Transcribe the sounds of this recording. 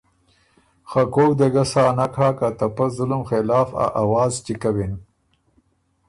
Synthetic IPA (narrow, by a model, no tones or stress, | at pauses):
xakoːkd̪aɡasaːnakʰaːkat̪apazʊlʊmxelaːfa̰ʔawɑːzt͡ʃikawin